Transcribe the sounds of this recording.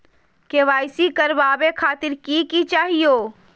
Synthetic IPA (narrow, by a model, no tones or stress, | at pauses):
keʋaːɪsikɐɾʋaːbekʰaːt̪ɪɾkikit͡ʃaːɦijoː